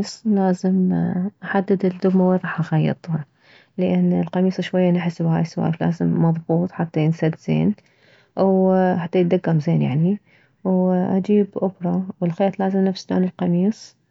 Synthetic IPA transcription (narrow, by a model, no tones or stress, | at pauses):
sˤlaːzɪmʔaħad̪ːɪd̪ɪld̪ʊbmaweɾˤɑːħʔaɣajːɨ̰t̪ˤɑ | lɪʔanːɪlqɑmiːsˤɑʃwajːanaħɪsbhaːjswa̰ːfla̰ːzɪmːɑðˤbuːt̪ˤħat̪ːajɪnsad̪z̥ḛːn | ʔawħat̪ːajɪd̪aɡːamzeːnja̰ʕni | wʔa̰d͡ʒiːbʔʊbɾˤɑwɪlxeːt̪ˤlaːzɪmnafsd͡ʒa̰ːnɪlqɑmiːsˤ